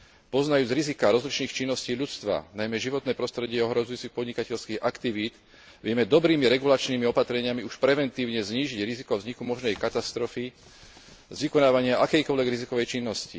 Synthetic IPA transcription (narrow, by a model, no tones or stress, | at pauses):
pɔznajuːd͡zɾizikaːɾɔzlit͡ʃniːxt͡ʃinːɔsciːʎut͡st̪ʋa̰najmɛʒiʋɔt̪nɛːpɾɔst̪ɾɛɟɪɛɔɦɾɔzujuːt͡sixpɔd̪ɲikacɛʎskiːɣakt̪iʋiːd̪ | ʋɪɛmɛd̪ɔbɾiːmiɾɛɡulat͡ʃniːmiɔpat̪ɾɛɲɪamiuʃpɾɛʋɛnt̪iːʊɲɛzɲiːʒiɟɾizikɔvzɲikumɔʒnɛjkat̪ast̪ɾɔfi | zʋikɔnaːʋaɲɪaʔakɛjkɔʎʋɛɡɾizikɔʋɛjt͡ʃinːɔscḭ